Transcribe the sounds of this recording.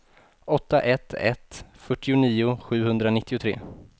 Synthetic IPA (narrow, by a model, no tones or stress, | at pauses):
ɔt̪ːaʔɛt̪ʰːɛ̰t̪fœʈːɪʊniːʊɧʉ̟ːhɵnd̪ɾanɪt̪ʰːɪʊt̪ʰɾḛː